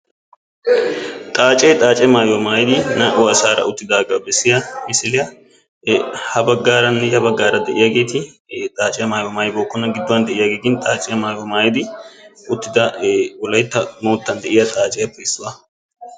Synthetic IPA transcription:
t̪ʼaːt͡ʃʼɛːt̪ʼaːt͡ʃʼɛmaːjɔmaːjɪd̪ɪnɐʔʊɐsaːɾɐ̰ʔʊt̪ːɪd̪aːɡɐwbɛsːɪjɐmɪsɪlɪjɐ | hɐbɐɡːaːɾɐnːɛjɐbɐɡːaːɾɐd̪ɛʔɪjɐɡe̞ːt̪ɪ | t̪ʼaːt͡ʃʼɛjɐmaːjɔmaːjboːkːɔnːɐɡɪd̪ːɔwɐnd̪ɛʔɪjɐɡiːɡɪnt̪ʼaːt͡ʃʼɛjɐmaːjɔmaːjd̪ɪʊt̪ːɪd̪ɐwɔlɐjt̪ːɐmoːt̪ːɐnd̪ɛʔɪjɐt̪ʼaːt͡ʃʼɛjɐpːɛɪsːʊɐ

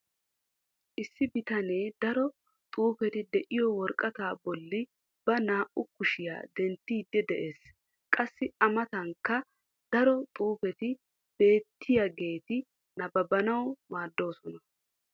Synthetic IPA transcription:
ʔɪsːɪbɪt̪ɐneːd̪ɐɾɔ | t̪ʼuːfɛt̪ɪd̪ɛʔɪjɔwɔɾkʼɐt̪aːbɔlːɪ | b̥ɐnaːʔʊkʊʃɪja̰ːd̪ɛnt̪ːiːd̪ːɛd̪ɛʔe̞ːs | kʼɐsːɪʔɐmɐt̪ɐŋkːɐ | d̪̥ɐɾɔt̪ʼuːfɛt̪ɪ | b̥e̞ːt̪ʰːɪjɐɡe̞ːt̪ɪ | nɐbɐbɐnɐwmaːd̪ːo̞ːsɔnɐ

